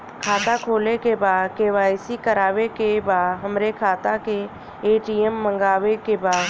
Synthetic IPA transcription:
kʰaːt̪akʰoːlekebaːd̪keːʋaːɪsikəɾaːwekebaːd̪ɦəmɾekʰaːt̪ake | eːʈiːɛmːə̃ŋɡaːwekebaːd̪

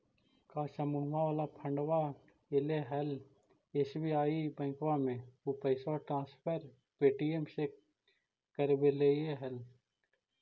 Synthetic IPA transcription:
kaːsɐmuwaalapʰɐ̃ɳɖwa | eleɦɛl | esbiaːibɐ̃kwaːmẽupɐɪsaʈɾãːspʰəɾ | peːʈiemse | kəɾbeleeɦɐl

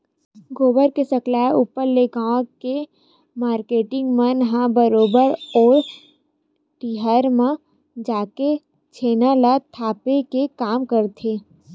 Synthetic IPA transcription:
ɡoːbəɾkesɐklaːeupəɾleɡãːke | maːɾkeːʈɪ̃ŋɡmə̃nɦãbəɾoːbəɾɔːɾ | ʈiːɦəɾmã | d͡ʒaːke | t͡ʃʰeːnalat̪ʰaːpekekaːmkəɾt̪ʰeː

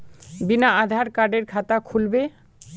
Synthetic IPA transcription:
binaad̪ʱaɾkaɖeɾkʰat̪akʰulbe

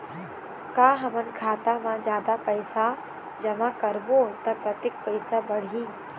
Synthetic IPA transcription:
kaːɦɐmənkʰaːt̪amãd͡ʒjaːd̪apɐɪsa | d͡ʒɐʋãkɐɾbot̪ɐpɾɐt̪ɪk̚pɐɪsabɐɽ̤ĩː

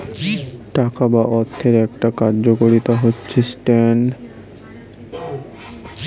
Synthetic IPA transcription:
ʈakabaʔɔt̪ʰːeɾɛk̚ʈakaɾd͡ʑokoɾit̪aɦotːɕʰesʈɛn

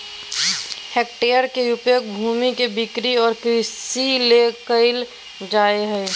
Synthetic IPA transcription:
hek̚ʈeːəɾkeʊpjok̚bʱuːmikebɪkɾiɔːɾkɾisilekəɪl | d͡ʒaːeɦɛ

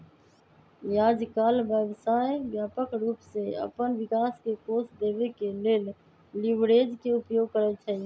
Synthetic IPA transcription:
jaːd͡ʒkaːlʋjəːʋsaːjʋjaːpəkɾuːpseə̰pənʋɪkaːskekoːsd̪eːʋekeleːl | lɪʋɾeːd͡ʒkeʊpjoːɡ̚kəɾet͡ʃʰəi

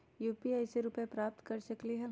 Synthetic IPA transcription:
juːpiaːɪseɾupepɾaːp̚t̪kɐɾsɐkliɦɛ̃

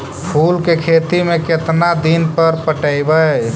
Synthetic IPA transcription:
pʰulkekʰet̪imeket̪nad̪inpəɾpəʈəɪbə

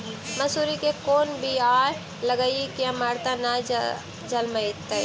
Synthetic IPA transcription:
mɐsuːɾikekoːnbʱiaːj | lɐɡaikijamaːɾt̪ana | d͡ʒɐlməet̪ːa

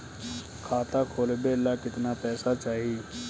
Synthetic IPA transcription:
kʰaːt̪akʰoːlbelakɪt̪napɛːsat͡ʃaːɦi

